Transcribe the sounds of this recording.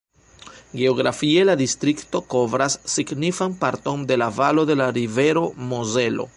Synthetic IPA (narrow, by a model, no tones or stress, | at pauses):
ɡe̞oɡɾa̰fie̞ladistɾikto̞ko̞vɾasːiɡnifanpaɾto̞nde̞lavalo̞de̞laɾive̞ɾo̞moze̞lo̞̰